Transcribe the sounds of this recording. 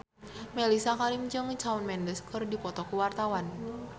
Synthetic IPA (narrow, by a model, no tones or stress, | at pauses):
melisakaɾimd͡ʒɨŋt͡ʃaunmɛndəskərdipɔt̪ɔkuwart̪awan